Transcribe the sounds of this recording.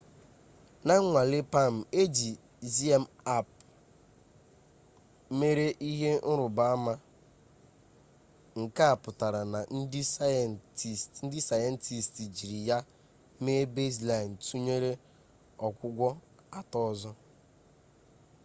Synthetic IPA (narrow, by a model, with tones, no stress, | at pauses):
na˦ŋ̩˦ŋʷa˨le˦pa˦˨m̩˨e˦d͡ʒi˨ | zi˦e˦m̩˨a˦˨p | me˦ɾe˦ʔi˦ɦe˦n̩˦ɾʊ˨ba˦a˦ma˦ | ŋ̩˨ka˦a˨pʊ˨ta˨ɾa˨na˨n̩˦dɪ˦sa˦a˨nti˨stn̩˦dɪ˦sa˨ja˦n̩˦tʰi˨sti˨d͡ʒi˨ɾi˨ja˦ | me˦be˦zla˨n̩˨tu˦ɲe˦ɾe˦ | ɔ˨kʷʊ˦ɡʷɔ˦ | a˨tɔ˦ɔ˦zɔ˦